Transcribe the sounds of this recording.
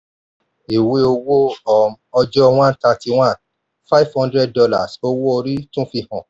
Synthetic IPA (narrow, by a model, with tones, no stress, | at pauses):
e˨we˨˧o˧wo˦ɔ˨ | ɔ˧d͡ʒɔ˦w̃ã˦n̩˦ta˧ti˧w̃ã˦˨n | fa˦i˦vhɔ̃˦ndɾɛ˦d̚dɔ˧la˦˨so˧wo˦o˧ɾi˦tũ˦fi˧hɔ̃˨